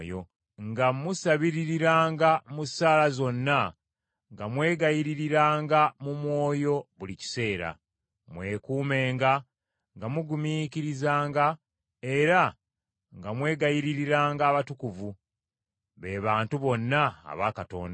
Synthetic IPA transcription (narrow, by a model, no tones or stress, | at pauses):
jo | ŋɡamusaβiɾiɾiɾaːŋɡamusaːlazo̞nːa | ŋɡamwe̞ːɡajiɾiɾiɾaːŋɡamumwo̞ːjo̞βulici̥se̞ːɾa̰ | mwe̞ːkuːme̞ːŋɡa | ŋɡamuɡumiːciɾizaːŋɡa | e̞ɾa | ŋɡamwe̞ːɡajiɾiɾiɾaːŋɡaːβatukuvu | βe̞ːβaːntuβo̞nːa̰ːβakato̞̰ːnda